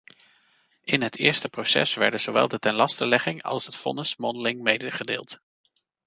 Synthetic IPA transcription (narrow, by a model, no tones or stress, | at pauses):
ʔɪnɦətʰɪːɹstəprowsɛ̰sʋɛ̰ɹdəz̥owʋɛ̰lˠdətɛnlɑstəlɛχɪŋɑ̰lˠsətfɔ̰nəsmɔnəlɪŋmejdəχədḛːlˠt